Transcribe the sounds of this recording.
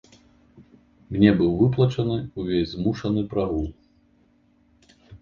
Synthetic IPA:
mnʲɛbɨwvɨp̬lˠɐt͡ʂɐnɨuvʲesʲzmuʂɐnɨpɾaɣulˠ

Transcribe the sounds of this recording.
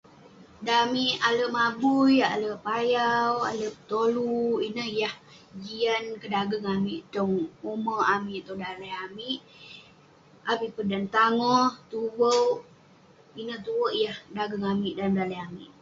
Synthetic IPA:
damiʔaləʔmabuja̰ləʔpajawa̰ləʔpət̪oluinəhjah | d͡ʒiankədaɡəŋamiʔt̪ɔŋuməamiʔt̪ɔdalajamiʔ | abiʔpədant̪aŋɔht̪uwəw | inəht̪uwəʔjahədaɡəŋamiʔdandalajamḭʔ

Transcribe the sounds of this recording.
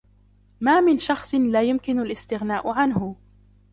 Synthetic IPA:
maːmɪnʃɑxsˤlaːjʊmkɪnʊlʔɪst̪ɪɣnaːʔʊʕanhʊ

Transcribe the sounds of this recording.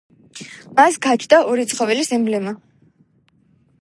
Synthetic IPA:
masɡat͡ʃʰd̪aɔɾit̪sʰχɔvɛlisimblɛma

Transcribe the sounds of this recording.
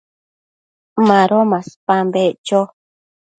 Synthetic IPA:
mãɾomãspambeʔt͡ʃo

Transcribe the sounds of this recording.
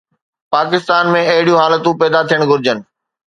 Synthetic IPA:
paːkɪst̪aːnmẽɐɦɪɽijũɦaːlət̪ũpɛːd̪at̪ʰijəɽ̃ɡʱʊɾɪd͡ʑənɪ̆

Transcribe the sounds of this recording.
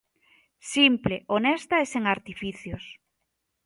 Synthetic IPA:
simpleʔonɛst̪aeseŋaɾt̪ifiθjos

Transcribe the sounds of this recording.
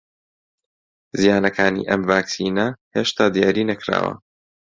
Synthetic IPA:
zijaːnɐkʰaːnḭːʔɐmvaːksiːnɐheːʃt̪ʰaːd̪ijaːɾiːnɐkɾa̰ːwɐ̰

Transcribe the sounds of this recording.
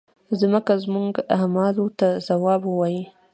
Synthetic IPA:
zməkazmuɡamɑlot̪azawɑbəwɑji

